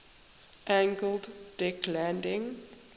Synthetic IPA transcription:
ʔæ̃ŋɡəlˠd | d̥ɪklæ̃ndɪ̃ŋ

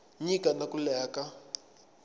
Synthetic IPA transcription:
ɲikʼanakulɛːka

